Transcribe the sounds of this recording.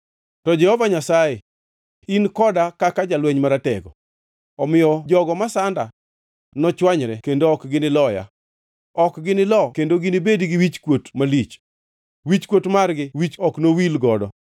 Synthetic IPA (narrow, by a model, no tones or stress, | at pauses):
tɔd͡ʒɛhɔvaɲasaje | inkɔdakakad͡ʒalwɛɲmaɾatɛɡɔ̰ | ɔmɪjɔd͡ʒɔɡɔmasanda | nɔt͡ʃwaɲɾɛkendoɔkɡɪnɪlɔja̰ | ɔkɡɪnɪlɔkendoɡɪnɪbedɡɪwit͡ʃkwotmalit͡ʃ | wit͡ʃkwotmarɡɪwit͡ʃɔknowilɡɔdɔ